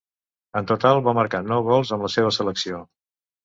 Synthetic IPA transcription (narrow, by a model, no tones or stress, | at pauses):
ənt̪ut̪alˠβaməɾkanɔwɣɔlˠzəmləseβ̞əsələksio